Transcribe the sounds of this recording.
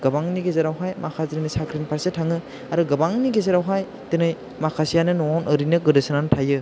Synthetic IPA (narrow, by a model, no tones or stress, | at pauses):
ɡɐbaŋniɡezaɾawɦajmakʰazɾinɯsakʰɾinpʰaɾsetʰaŋɯ | aɾɯɡɐbaŋniɡezaɾawɦaj | tɯnɯj | makʰasijanɯnɔwawnʔɯɾinɯɡɯdɯsɯnantʰajɯ